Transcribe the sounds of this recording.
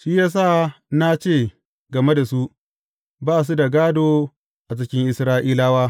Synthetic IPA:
ʃiː˦jaː˦s̬a˦˨na˦t͡ʃeː˦˨ | ɡɐ˨me˦da˨su˦ | baː˦˨s̬u˦da˨ɡaː˦doː˨ | ʔa˨t͡ʃɪ˦kʲɪ˦ŋʔɪ˨sɾaː˦ʔiː˦laː˦waː˦

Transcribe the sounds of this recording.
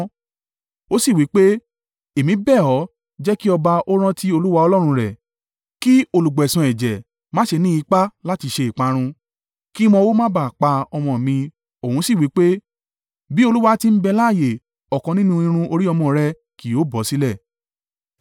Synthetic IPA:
o˦si˦˨wi˨˦k͡pe˦ | e˨mĩ˨˦bɛ˦˨ɔ˨˦ | d͡ʒɛ˦ki˦ɔ˧ba˧ʔo˦ɾ̃ã˦ti˦o˧lu˦wa˧˦ɔ˧lɔ˦ɾ̃ũ˧ɾɛ˨ | ki˦o˧lu˨ɡ͡bɛ˨sã˨ɛ˨d͡ʒɛ˨ | mãː˨˦ʃe˧nĩ˦i˧˦k͡pa˦la˦ti˧ʃe˧i˨k͡pa˧ɾ̃ũ˧ | ki˦m̃ɔ̃˧wo˦mã˦ba˦˨k͡pa˧ɔ˧mɔ̃˧˨mĩ˧ | o˨ũ˨˦si˦˨wi˨˦k͡pe˦ | bi˦o˧lu˦wa˦ti˧m̩˦bɛ˧la˦˨je˨ | ɔ˨kɔ̃˧nĩ˦nũ˦ĩ˧ɾ̃ũ˧o˧ɾi˦ɔ˧mɔ̃˧˨ɾɛ˦ | ki˨o˨˦bɔ˨˦si˦lɛ˦˨

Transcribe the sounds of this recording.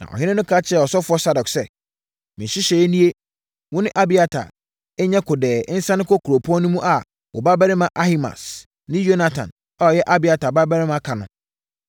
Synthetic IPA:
nã̰˨ʔɔ̰˨ɦɪ̃˦nɪ̃˦nʊ̃˦kʰa˦t͡ɕʰɪ˦ɛ˨ɔ˨sɔ˦fʊ˨˦ɔ˦sa˦dɔ˨ksɛ˦˨ | mɪ̃˨ɕi˦ɕɛ˨ɛ˦nĩ˦e˦ | wʊ̃˦nɪ̃˦ʔa˦bi˨a˦tʰa̰˨ | ɛ˦ɲɛ̃˦kʰʊ˨dɛː˨˦n̩˦sã˦nɪ̃˦kʰɔ˦kʰu˨ɾo˨pʰɔ̃˦nʊ̃˦mũ˦ʔa˨ | wʔɔ̰˨ba˦bɛ˦ɾɪ˦mã˨ʔa˦hi˦ma̰˨s | nɪ̃˦jo˦na˨tʰã̰˨n | a˨ɔ˨jɛ˦ʔa˦bi˨a˨tʰa˨ba˦bɛ˦ɾɪ˦mã˦kʰa˨nʊ̃˨

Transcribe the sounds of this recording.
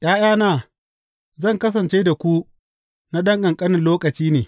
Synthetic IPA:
j̰ʔaː˦j̰aː˦naː˨ | zɐ˦˨ŋkɐ˦s̬ɐ˨nt͡ʃeː˦da˨kʷu˦ | na˦ɗɐ˦ŋɡɐ˨ŋkʼɐ˦nɪ˨nloː˦kɐ˨t͡ʃiː˦neː˨

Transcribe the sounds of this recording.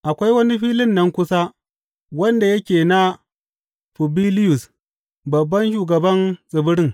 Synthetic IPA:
ʔa˨kʷa˦jwɐ˦ni˦ɸiː˦lɪ˦nːɐ˦ŋkʷʊ˦sa˦ | wɐ˦nda˨jɐ˦kʲeː˨na˦ | ɸʊ˨bi˦lɪ˦jʊ˨s | bɐ˨bːɐ˦nʃ̬uː˨ɡɐ˨bɐ˦nsʼɪ˨bʊ˦ɽɪ˦ŋ

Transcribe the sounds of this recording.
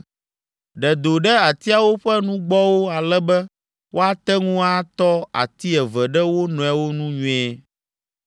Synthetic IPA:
ɖɛ˨d̪o˨ɖɛ˦a˨t̪i˦a˨wo˦ɸɛ˦nũ˦ɡ͡bɔ˦wo˦a˨lɛ˦bɛ˦ | wʔo˦a˦t̪ɛ˦ŋũ˦a˦t̪ɔ˦a̰˨t̪i˦ɛ˨vɛ˨ɖɛ˦wo˦nɔ̃˨ɛ˨wo˦nũ˦ɲũ˦ɛ˦

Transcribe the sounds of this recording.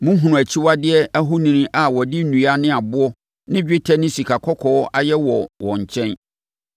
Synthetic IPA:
mʊ̃˦ɦũ˨ũ˨æ˨t͡ɕʰi˦wa˦dɪ˦ɛ˦æ˦ɦʊ˦nĩ˦nɪ̃˦ʔa˨wɔ˨dɪ˦n̩˦nũ˨a˦nɪ̃˦a˨bʊ˦ɔ˦ | nɪ̃˦d͡ʑᶣɪ˦tʰɛ˦nɪ̃˦si˨kʰa˨kʰɔ˦kʰɔː˨ɔ˦a˦jɛ˦wɔ˨wɔ̃˨ɲ̩˨t͡ɕʰɛ̃˦n

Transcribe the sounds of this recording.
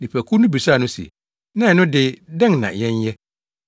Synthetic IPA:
nĩ˨pʰæ˨kʰu˦nʊ̃˦bi˨sa˦˨nʊ̃˦sḭ˨ | nã˦˨ɛ˨nʊ̃˦dɪ˦dɛ̃˦ŋ˨nã̰˨jɛ̃˦ɲ˦jɛ˦

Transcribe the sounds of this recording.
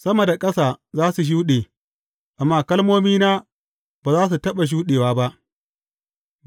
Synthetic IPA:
sɐ˦mɐ˨da˨kʼɐ˦saː˨zaː˦su˨ʃ̬uː˦ɗeː˨ | ʔa˨mːaː˦˨kɐ˦lmoː˦miː˦naː˦ | baː˨zaː˦s̬u˨tɐ˦ɓa˨ʃ̬uː˦ɗeː˨waː˦ba˦ʔ

